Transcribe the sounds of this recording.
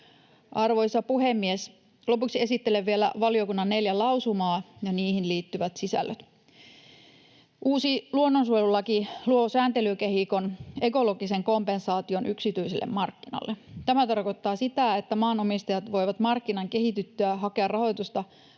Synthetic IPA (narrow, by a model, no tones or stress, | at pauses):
ʔɑrʋo̞jsɑpuɦemːies | lo̞puksie̞sit̪ːeleʋːielæ̰ʋɑliokunːɑnːe̞ljælɑwsumɑːjɑniːhinliːt̪ːyʋæt̪sisæ̰lːʔøt̪ | ʔuːsiluonːonsuolulɑkiluosæːnt̪e̞lykeɦikone̞ko̞loɡiseŋko̞mpensɑːt̪io̞nʔyksit̪yiselːḛmmɑrkːinɑ̰lːet̪æmæt̪ɑrkot̪ːɑːsit̪æet̪ːæmɑːnomist̪ɑjɑt̪ʋo̞jʋɑt̪mɑrkːinɑŋke̞ɦit̪yt̪ːyæɦɑkeɑrrɑho̞jt̪ust̪ɑ